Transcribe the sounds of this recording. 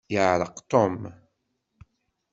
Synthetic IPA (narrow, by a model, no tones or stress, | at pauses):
jəʕɾəqt̪ˤom